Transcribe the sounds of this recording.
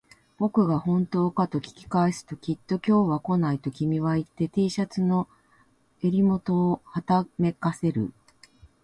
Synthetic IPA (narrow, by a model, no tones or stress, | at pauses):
b̥o̞kɯ̟ɡahõ̞nt̪o̞ːkat̪o̞kʲi̥kʲi̥kaesɨ̥t̪o̞kʲit̪ːo̞kʲo̞ːβako̞nait̪o̞kʲimʲiβ̞ait̪ːe̞t̪eːɕat͡sɨno̞ | e̞ɾʲimo̞t̪o̞ːhat̪ame̞kase̞ɾɯ̟̰